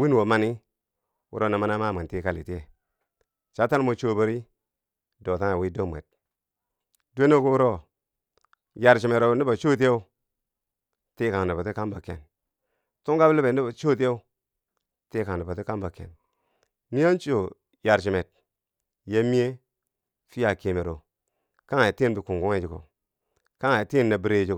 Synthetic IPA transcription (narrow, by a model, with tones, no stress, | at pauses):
wi˦n˨wo˨ma˨ni˦ | wṵ˦ɾo˦na˨ma˦na˦ma˦˨mi˨nti˦ka˦˨lḭ˨ti˦e˨ | t͡ʃa˨˦ta˦n˦mo˨t͡ʃo˨˦bə˨ɾi˦ | do˨ta˦a˨wi˦do˦mʷ˨ḛ˨t̚ | du˦e˦no˦ku˦wu˦ɾo˦˨ | ja˨ɾt͡ʃi˨me˨ɾo˨bni˦ba˨t͡ʃo˦ti˦je˦u˦ | ti˦ka˨ŋ˨di˨pa˨ti˦ka˦nba˨kḛ˨n | tu˦ŋɡa˦blbe˨˦ni˦ba˨t͡ʃo˦t̬i˦e˦u˦ | te˦ka˨a˨ba˨ti˦ka˦nba˨kḛ˨n | mi˦a˦nt͡ʃo˨ | ja˨ɾt͡ʃi˨me˨t̚ | je˦mi˦e˦ | fi˦ja˨ki˨me˨ɾo˨ | ka˦ŋa˨ti˦n˦bi˨ku˨ŋɡu˦ŋe˦d͡ʒi˨ko̰˨ | ka˦ŋa˨ti˦˨nːa˨bi˦ɾe˦˨d͡ʒi˦˨